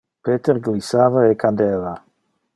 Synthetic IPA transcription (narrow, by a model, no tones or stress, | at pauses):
pet̪eɾɡlisaːvaekʰand̪eːva